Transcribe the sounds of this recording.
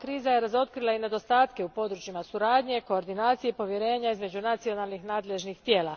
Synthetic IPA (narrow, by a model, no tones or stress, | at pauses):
kɾiːzaje̞ɾazo̞t̪̚kɾilˠaine̞d̪o̞st̪aːt̪ke̞upo̞d̪ɾut͡ɕimasuɾaːd̪ɲe̞ko̞ːɾd̪inaːt̪sijepo̞ʋje̞ɾe̞ːɲaizme̞d͡ʑunat̪sio̞nalˠnixnaːd̪le̞ʒnixt̪je̞ːla